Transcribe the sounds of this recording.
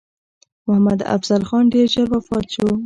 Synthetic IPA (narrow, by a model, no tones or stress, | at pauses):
mʊhamad̪a̰fz̥alxɑnɖeɾd͡ʒaɾbafɑɾt͡ʃo